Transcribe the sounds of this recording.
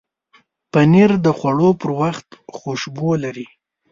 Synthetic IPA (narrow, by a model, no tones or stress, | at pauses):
paniɾd̪əxwaɽopəɾwaxt̪xoʃbolaɾi